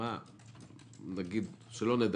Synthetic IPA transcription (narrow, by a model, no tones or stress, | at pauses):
a | naɡid̪ʃelo̞ned̪